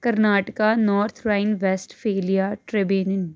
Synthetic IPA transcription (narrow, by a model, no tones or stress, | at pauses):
kɐɾnaːʈəkanɔːɾt̪ʰɾaːɪnʋesʈfeːlijaʈɾɪbjuːnən